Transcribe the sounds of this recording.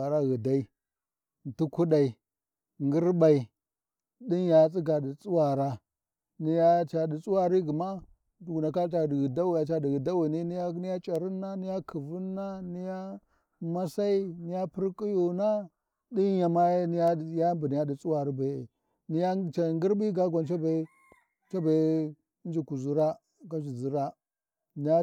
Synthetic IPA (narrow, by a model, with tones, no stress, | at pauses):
a˨ɾa˦ɣi˨da˦i˦ | n˨tu˦ku˦ɗa˨i˨ | ŋɡi˦ɾba˨i˨ | ɗi˦nja˨˦t͡sʼi˦ɡa˨di˨t͡sʼu˦wa˨ɾa˦ | ni˦ja˦t͡ʃa˨ɗi˨t͡sʼu˦wa˦ɾi˦ɡi˨ma˦˨ | ɡu˨na˨ka˦t͡ʃa˨dɣi˨da˦wi˨ja˨t͡ʃa˦di˨ɣi˨da˦wi˨ni˦ni˦ja˦ni˦ja˦t͡ʃʼa˨ɾi˦nːa˦ni˦ja˦kʰi˨vu˦nːa˦ni˦ja˦ | ma˦sa˦i˦ni˦ja˦pi˦ɾkʼi˦ju˨na˦ | di˦a˨ma˦ni˦ja˦˨ja˦mbi˨ni˦ja˦di˨t͡sʼu˦wa˨ɾi˦ba̰˨ | ni˦ja˦t͡ʃa˨ŋɡi˦ɾbi˦ɡa˦ɡʷa˨nt͡ʃa˦ba˨˦ | t͡ʃa˦ba˨˦ | n˦d͡ʒi˨ku˨zu˦ɾa˦ | ɡa˦d͡ʒi˨zi˦ɾa˦ | ni˦ja˦